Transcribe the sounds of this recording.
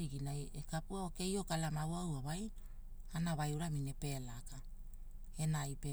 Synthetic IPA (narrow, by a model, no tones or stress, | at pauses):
iɡinajekapuaoke̞jo̞kalamawawaβaj | anaβajuɾamine̞pe̞laka | e̞najpe